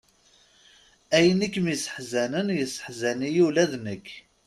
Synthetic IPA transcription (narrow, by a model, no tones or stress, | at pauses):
æjənikːmisə̥ħzænənjəsə̥ħzænijilæðnəkː